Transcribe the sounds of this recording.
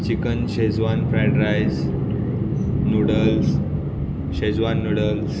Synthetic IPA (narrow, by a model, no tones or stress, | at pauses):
t͡ɕikənɕed͡zʋanfɾajɖɾajs | nuɽəls | ɕed͡zʋanːuɽəls